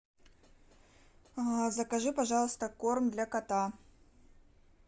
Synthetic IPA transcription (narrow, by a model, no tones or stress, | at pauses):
zɐkaʐɨpaʐɑlˠst̪ɐkɔrmd̪lʲɐkat̪a